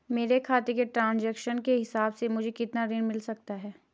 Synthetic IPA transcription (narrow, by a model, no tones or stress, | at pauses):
meːɾekʰaːt̪ekeʈɾãːnd͡ʒɛːkʃənkeɦɪsaːbsemʊd͡ʒʱekɪt̪naɾɪ̃ɳmɪlsɐk̚t̪aɦɛː